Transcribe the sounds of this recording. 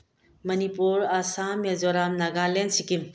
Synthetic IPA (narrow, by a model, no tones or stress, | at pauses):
mɐnipuɾasamezɔɾamnaɡalensikim